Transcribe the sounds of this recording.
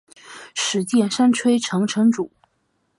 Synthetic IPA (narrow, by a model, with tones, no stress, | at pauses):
ʂɻ̩˧˥t͡ɕjɛ˥˩nʂa˥nʈ͡ʂʰwe˥ɪʈ͡ʂʰɤ˧˥ŋʈ͡ʂʰɤ˧˥ŋʈ͡ʂu˨˩˦